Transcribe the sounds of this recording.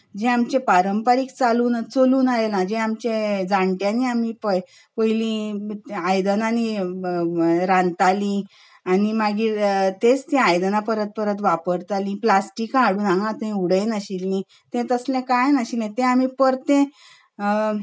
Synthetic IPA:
d͡ʑẽamt͡ɕẽpaɾəmpaɾiːkt͡saluːnat͡soluːnalelãd͡ʑẽamt͡ɕẽd͡zãɳʈjãniamipə | pəjlĩ | ajd̪ənani | ɾãnt̪alĩ | añimaɡit̪ẽt͡st̪ẽajd̪ənapəɾət̪̚pəɾət̪ʋapəɾt̪alĩplasʈikaɽuːnãŋɡãt̪əĩuɽənaɕilni | t̪ɛ̃t̪əslɛ̃kajnaɕinãt̪ɛ̃amipəɾt̪ẽ

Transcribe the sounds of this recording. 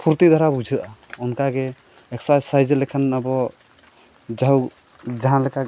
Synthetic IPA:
pʰuɾt̪id̪ʱɔɾabud͡ʒʱɯʔaunkaɡe | eksad͡ʒsajd͡ʒelekʰənabɔ | d͡ʒaɦw | d͡ʒaɦãleka

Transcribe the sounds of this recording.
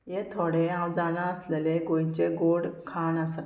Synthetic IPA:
jet̪ʰoɽeãwd͡zalãəsleleɡoit͡ɕeɡoɽkʰanasa

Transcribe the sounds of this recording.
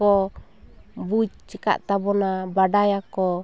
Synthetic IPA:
ɔ | buit͡ʃt͡ʃika̰ʔt̪abɔnabadajakɔ

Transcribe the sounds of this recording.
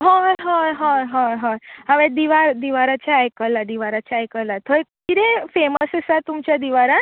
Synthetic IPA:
ɦãɦãɦãɦãɦɔ̃ɦaʋẽd̪iʋaɾd̪iʋaɾat͡ɕʰaːjkəlad̪iʋaɾat͡ɕʰajkəlat̪ʰojkiɾẽfeməsesat̪umt͡ɕad̪iʋaɾa

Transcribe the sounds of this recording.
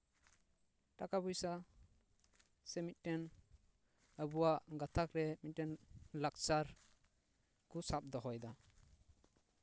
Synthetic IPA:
ʈakabujsa | sɛmit̪̚ˀʈɛn | əbuwaʔɡat̪ʰakɾɛmit̪̚ʈɛnlak̚t͡ʃaɾ | kusap̚d̪ɔɦɔjd̪a

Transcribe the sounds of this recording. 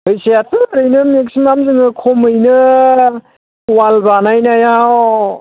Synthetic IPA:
ɯjsejatɯɾɯjnɯmek̬simamzɯŋɯkʰomɯjnɯ | walbanajnaja

